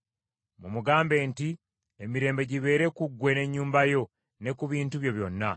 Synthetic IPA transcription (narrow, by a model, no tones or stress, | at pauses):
mumuɡaːmbe̞ːnti | emiɾe̞ːmbe̞ɟiβe̞ːɾe̞kuɡwe̞ne̞ɲːuːmbajo̞ | ne̞kuβiːntuβjo̞βjo̞nːa